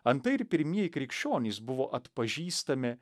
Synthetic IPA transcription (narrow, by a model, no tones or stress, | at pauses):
ɐnt̪ɐɪɾpʲɪɾʲmʲiɛjɪkɾʲɪkʃʲt͡ʃʲoːnʲiːsbʊʋoːʔɐt̪pɐʒʲiːst̪ɐmʲɪ